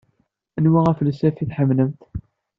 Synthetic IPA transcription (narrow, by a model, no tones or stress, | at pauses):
ənwaʁæflsæfiθħəmnəmt̪